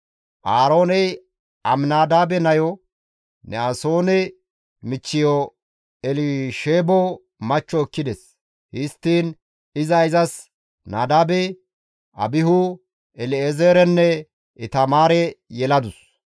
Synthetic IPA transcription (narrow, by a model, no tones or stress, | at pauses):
ʔaːɾo̞ːnɛj | ɐmnaːd̪aːbɛnɐjɔ | nɛaso̞ːnɛ | mɪt͡ʃːɪjɔ | ɛlɪʃeːbɔ | mɐt͡ʃːɔɛkːɪd̪ɛs | hɪst̪ːiːn | ɪzɐɪzɐs | naːd̪aːbɛ | ʔɐ̰bɪɦʊ | ɛlɪezeːɾɛnːɛ | ɪt̪ɐmaːɾɛjɛlɐd̪ʊs